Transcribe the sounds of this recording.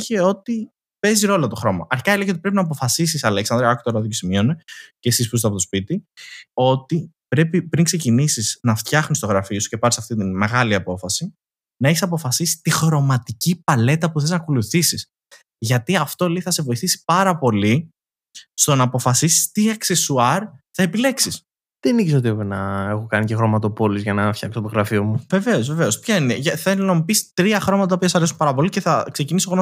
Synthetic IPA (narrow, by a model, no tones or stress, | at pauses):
çeo̞t̪i | pe̞ziɾo̞lot̪o̞xɾo̞mɐ̰ʔɐɾçi̥kɐileçeot̪ipɾe̞p̬inɐːp̬o̞fɐsis̬isɐleksɐnd̪ɾɐɐkt̪oɾɐðocesimionecesispust̪ɐpoospit̪io̞t̪i | pɾe̞pipɾiŋksecinisiznɐft̪çɐxnist̪o̞ɣɾɐfiosu̥ce̞pɐɾisɐft̪it̪inme̞ɣɐliɐpo̞fɐsi | nɐeçisɐpofɐsisi̥t̪ixɾo̞mɐt̪icipɐle̞t̪ɐpuθe̞znɐkoluθisis | ʝɐt̪iɐft̪o̞leiθɐsevo̞iθisi̥pɐɾɐpo̞li | st̪o̞nɐːpo̞fɐsisi̥st̪iɐksesuɐɾθɐe̞pile̞ksis | ðeniksot̪iopenɐe̞xokɐnicexɾo̞mɐt̪o̞po̞lizʝɐnɐfçɐksot̪oɣɾɐfio̞muve̞ve̞o̞zve̞ve̞o̞spçɐineʝɐθɐlnomipist̪ɾiɐxɾo̞mɐt̪ɐt̪ɐopiɐsɐsɐɾe̞sumpɐɾɐpo̞liceθɐkse̞cinisoɾo